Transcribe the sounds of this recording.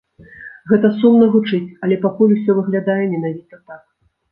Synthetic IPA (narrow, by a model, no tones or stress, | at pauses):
ɣɛt̪ɐsumnɐɣut͡ʂɨt͡sʲɐlʲɛpakulʲusʲɔvɨɣlʲad̪ajɛmʲɛnavʲit̪ɐt̪ak̚